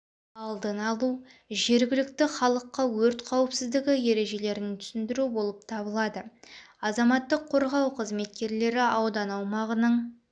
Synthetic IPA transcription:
ɑlˠd̪ənɑlˠuʒe̞ɾɡʲɪlɪk̚t̪ɪχɑlˠəqːɑwɵɾt̪qʰɑwəpsɪzd̪ɪɡʲɪje̞ɾe̞ʒe̞le̞ɾɪŋt̪ʰʏ̥sɪnd̪ɪɾubo̞lˠəp̚t̪ʰɑbəlˠɑd̪əɑzɑmɑt̪ːəqʰːo̞ɾʁɑwqʰəzme̞t̪̚kʲe̞ɾle̞ɾɪɑwd̪ɑnɑwmɑʁənəɴ

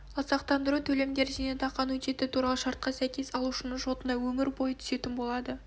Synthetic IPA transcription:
lˠɑsɑqt̪ɑnd̪əɾut̪ʰɵle̞md̪e̞ɾʒenet̪ʰɑqɑnwɵt͡ʃ̪e̞t̪ɪt̪ʰuɾɑlˠəʃɑɾt̪̚qɑsæjkʲe̞sɑlˠuʃənəɴʒo̞t̪ənɑwɵmɪɾbo̞jət̪ʰʏ̥se̞t̪ɪnbo̞lˠɑd̪ə

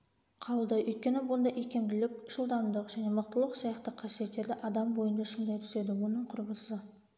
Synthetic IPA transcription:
qʰɑlˠd̪əʏjt̪̚kʲe̞nɪwond̪ɑʔekʲe̞mbɪlɪk̚ʲʒ̥əlˠd̪ɑmd̪əqʒæne̞məq̚t̪əlˠəqsɑjɑqt̪əqʰːɑsije̞t̪ːe̞ɾd̪ɪʔɑd̪ɑmbo̞jənd̪ɑʃəmd̪ɑjt̪ʰʏ̥se̞d̪ɪwo̞nəɴqʰʊɾbəsə

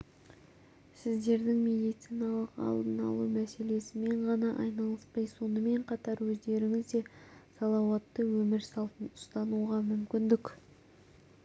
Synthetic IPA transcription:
sɪzd̪e̞ɾd̪ɪŋmʲe̞d̪ijt̪sijnɑlˠəqɑ̰lˠd̪ənɑlˠumæse̞le̞sɪme̞ɴʁɑnɑʔɑjnɑlˠəspɑjso̞nəme̞ɴqʰɑt̪ɑɾwɵzd̪e̞ɾɪŋʲɪzd̪e̞sɑlˠɑwɑt̪ːəwɵmɪɾsɑlˠt̪ənʊst̪ɑnuʁɑmʏmkʲɪnd̪ɪk

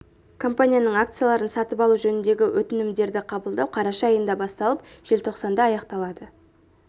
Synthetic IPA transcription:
kʰo̞mpanʲijanəɴak̚t̪sɨjalˠɑɾənsɑt̪əpɑlˠuʒɵnɪnd̪e̞ɡʲɪwʔɵt̪ɪnɪmd̪e̞ɾd̪ɪqʰɑbəlˠd̪ɑwqʰɑɾɑʃɑːjənd̪ɑbɑst̪ɑlˠəpʒ̥elʲt̪ʰo̞qsɑnd̪ɑːjɑqt̪ɑlˠɑd̪ə

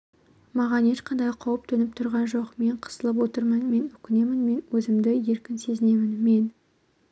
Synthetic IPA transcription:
mɑʁɑnje̞ʃqɑnd̪ɑjqʰɑwəp̚t̪ʰɵnɪp̚t̪ʰʊɾʁɑnʒo̞qme̞ɴqʰə̥səlˠəp̬wo̞t̪əɾmənme̞nʏkʲɪne̞mɪnme̞nwɵzɪmd̪ɪje̞ɾkʲɪnse̞zɪne̞mɪnme̞n

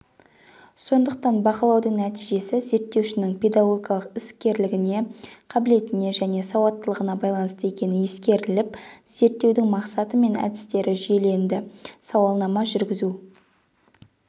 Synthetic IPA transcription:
so̞nd̪əq̚t̪ɑnbɑqəlˠɑwd̪əŋnæt̪ijʒe̞sɪze̞ɾt̪ːe̞wʃɪnɪŋpʰʲe̞d̪ɑɡoɡʲjɑlˠəqɪskʲe̞ɾlɪɡʲɪne̞qʰɑbɪle̞t̪ɪne̞ʒæne̞sɑwɑt̪ːəlˠəʁənɑbɑjlˠɑnəst̪əje̞kʲe̞nɪnje̞skʲe̞ɾɪlɪp̚z̥e̞ɾt̪ːe̞wd̪ɪŋmɑqsɑt̪əme̞næ̰d̪ɪst̪e̞ɾʔɪʒijele̞nd̪ɪsɑwɑlˠnɑmɑʒʏɾɡʲɪzu

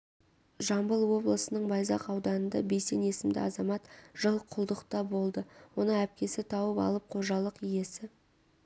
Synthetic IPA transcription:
ʒɑmbəlˠwo̞blˠəsənəɴbɑjzɑ̰qɑwd̪ɑnənd̪ɑ̰be̞jse̞̰ne̞sɪmd̪ɪ̰ɑzɑmɑt̪ʒ̥əlˠqʰʊlˠd̪əqt̪ɑbo̞lˠd̪əwo̞nəɴæp̚kʲe̞sɪt̪ʰɑwəpɑ̰lˠəp̚qʰo̞ʒɑlˠəqije̞sɪ

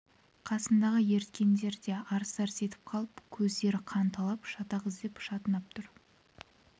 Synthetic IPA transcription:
qʰɑsənd̪ɑʁəje̞ɾt̪kʲe̞nd̪e̞ɾd̪e̞ɑɾst̪ɑɾse̞t̪ɪ̥p̚qʰɑlˠəpkʲʰɵzd̪e̞ɾɪqʰɑnt̪ʰɑlˠɑpʃɑt̪ɑʁəzd̪e̞pʃɑt̪ənɑp̚t̪ʰʊɾ

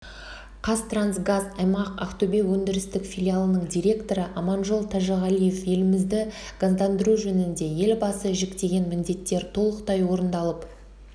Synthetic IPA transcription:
qʰɑst̪ransɡazɑjmɑqɑft̪obe̞wɵnd̪ɪɾɪst̪ɪkfʲilʲialˠənəɴd̪ʲiɾʲe̞kt̪o̞ɾəʔɑmɑnʒolˠt̪ʰɑʒɑʁalijefje̞lɪmɪzd̪ɪɡ̥azd̪ɑnd̪əɾuʒɵnɪnd̪e̞je̞lbɑsəʒekt̪e̞ɡʲe̞nmɪnd̪e̞t̪ːe̞ɾt̪ʰo̞lˠəqt̪ɑjwo̞ɾənd̪ɑlˠəp

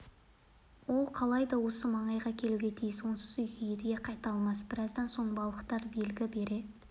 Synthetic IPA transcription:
wo̞lˠqʰɑlˠɑjd̪ɑwo̞səmɑɴɑjʁɑkʲʰe̞luɡʲe̞t̪ʰejɪswo̞nsə̥zʏjkʲʰejed̪ɡʲeqʰɑjt̪ɑlˠmɑsb̥ɪɾɑzd̪ɑnso̞ɴbɑlˠəqt̪ɑɾbe̞lɡʲɪbe̞ɾe̞d̪

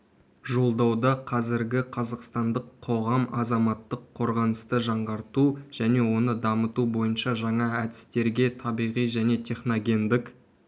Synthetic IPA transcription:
ʒo̞lˠd̪ɑwd̪ɑqʰɑzɪɾɡʲɪqʰɑzɑqst̪ɑnd̪əqʰːo̞ʁɑmɑzɑmɑt̪ːəqʰːo̞ɾʁɑnəst̪əʒɑɴʁɑɾt̪uʒ̥æne̞wo̞nəd̪ɑmət̪ubo̞jənʃɑʒɑɴɑæd̪ɪ̥st̪e̞ɾɡʲe̞t̪ʰɑbijʁijʒæne̞t̪ʲʰe̞χno̞ɡʲe̞nd̪ɪk

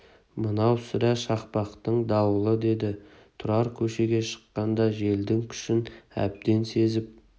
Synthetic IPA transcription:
mənɑwsɪɾæʃɑqpɑqt̪əɴd̪ɑwəlˠəd̪e̞d̪ɪ | t̪ʰʊɾɑɾkʲʰɵʃe̞ɡʲe̞ʃə̥qːɑnd̪ɑʒe̞ld̪ɪŋkʲʰʏ̥ʃɪnæ̰b̚d̪e̞nse̞zɪp̚

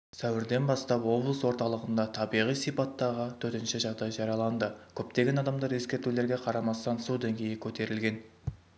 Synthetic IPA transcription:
sæwɪɾd̪e̞nbɑst̪ɑpwo̞blˠəswo̞ɾt̪ɑlˠəʁənd̪ɑt̪ʰɑbijʁijsijpɑt̪ːɑʁət̪ʰɵɾt̪ɪnʃɪʒɑʁd̪ɑjʒɑɾijɑlˠɑnd̪əkʲʰɵp̚t̪e̞ɡʲe̞nɑd̪ɑmd̪ɑɾe̞skʲe̞ɾt̪ule̞ɾɡʲe̞qʰɑɾɑmɑst̪ɑnsud̪eŋɡʲe̞jɪkʲʰɵt̪e̞ɾɪlɡʲe̞n

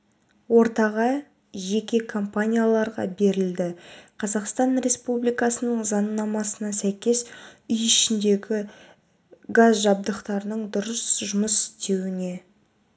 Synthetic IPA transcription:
wo̞ɾt̪ɑʁɑ | ʒe̞kʲe̞kʰo̞mpanʲijalˠɑɾʁɑ̰be̞ɾɪld̪ɪqʰɑzɑqst̪ɑnɾe̞spublijkɑsənəɴzɑnːɑmɑsənɑsæjkʲe̞sʏjɪʃɪnd̪e̞ɡʲɪ | ɡazʒɑb̚d̪əqt̪ɑɾənəɴd̪ʊɾəsʒʊməsɪ̥st̪e̞wɪne̞

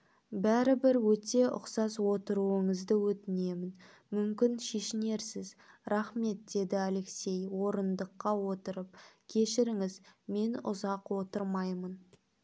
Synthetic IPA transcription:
bæɾɪbɪɾwɵt̪e̞ʔʊ̰qsɑswo̞t̪əɾuəɴəzd̪əwɵt̪ɪne̞mɪn | mʏmkʲɪnʃe̞ʃɪne̞ɾsɪz | ɾɑχme̞t̪̚d̪e̞d̪ɪale̞kse̞jwo̞ɾənd̪əqːɑwo̞t̪əɾəp̚kʲʰe̞ʃɪɾɪŋɪzme̞nʊ̰zɑqwo̞t̪əɾmɑjmən

